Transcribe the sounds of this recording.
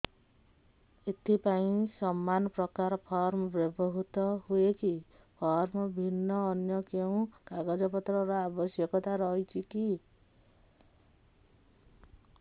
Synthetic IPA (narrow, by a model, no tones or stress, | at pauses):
et̪ʰipaĩsɔmːanɔpɾɔkaɾɔpʰɔɾmɔbɾɔbɔɦut̪ɔɦueki | pʰɔɾmɔbʱinːɔːnjɔkeũkaɡɔd͡ʒɔpɔt̪ɾɔɾɔabɔsjɔkɔt̪aɾɔɦit͡ʃʰiki